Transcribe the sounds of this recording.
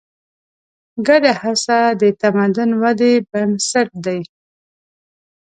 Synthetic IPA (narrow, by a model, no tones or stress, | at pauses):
ɡaɖahasad̪ət̪amad̪ʊnwad̪ebansaʈ̚d̪aj